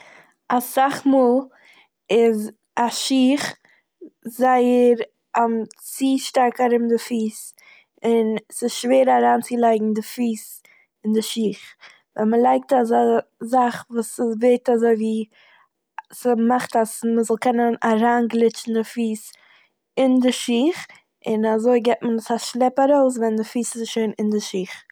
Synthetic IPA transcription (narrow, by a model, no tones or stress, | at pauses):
asaχmuːlˠ | ɪz | aʃiːχ | zaɪəɾ | amt͡siːʃtaɾkaɾɪbmdɪfiːs | ɪnsɪsʃveːɾaɾaːnt͡sɪlˠaɪɡŋ̩dɪfiːs | ɪndɪʃiːχ | vɛməlˠaɪk̚tas̬azaχvuːsəsveɪtazoɪviː | smaχtasməzɔlˠkɛnənaɾaːnɡlˠɪt͡ʃn̩dɪfiːs | ɪndɪʃiːχ | ɪnazoɪɡɛt̚mənɪsaʃlˠɛpaɾoʊs̬vɛndɪfiːsɪsʃoɪnɪndɪʃiːχ